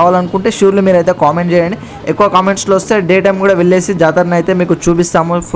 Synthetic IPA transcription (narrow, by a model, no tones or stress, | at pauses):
ʋaːlɐnukuɳʈeːʃuːɾlimiːɾɐjt̪̬e̞ːkaːmeɳʈt͡ʃɛːjaːɳɖi | ekːuʋɐkaːmeɳʈsloːʋɐst̪e̞ːɖeːʈɐjmkuːɽaːʋeɭːeːsid͡ʒaːt̪ɐɾɐnɐjt̪e̞ːmiːkut͡ʃuːp̬ist̪aːmu